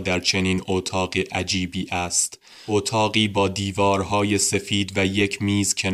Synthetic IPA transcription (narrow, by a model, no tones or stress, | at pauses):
d̪æɾt͡ʃʰe̞niːnot̪ʰɒːɢiʔæd͡ʒiːbiːʔæst̪ | ʔot̪ʰɒːɣiːbɒːd̪iːvɒːɾɦɒːje̞se̞fiːd̪væjecʰmiːzcʲʰen